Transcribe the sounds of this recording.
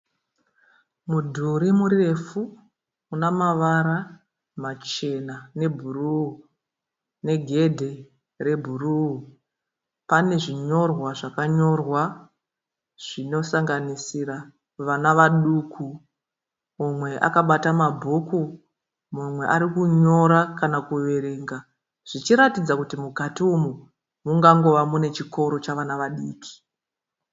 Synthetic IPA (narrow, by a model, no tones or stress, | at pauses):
mudʱuɾimuɾire̞fu | unamaʋaɾa | mat͡ʃe̞nane̞bʱuru | ne̞ɡʱe̞dʱe̞ | re̞bʱuruu | pane̞ʐiɲo̞rwaʐakaɲo̞rwa | ʐ̥ino̞saŋɡanisira | ʋanaʋaɗuːkʰu | mumwe̞ʔa̰kaɓatamabʱuku | mumwe̞ʔaɾikuɲo̞ɾakanakuʋe̞ɾe̞ːŋɡa | ʐ̥it͡ʃiɾatid͡zakutimukatiumu | muŋɡaŋɡo̞ʋamune̞t͡ʃiko̞ɾo̞t͡ʃaʋanaʋaɗiːkʰi̥